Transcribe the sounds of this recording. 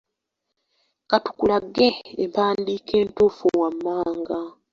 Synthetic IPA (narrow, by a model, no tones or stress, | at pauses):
katu̥kulaɡːeempaːndiːkʰe̞ːntofuwamːaːŋɡa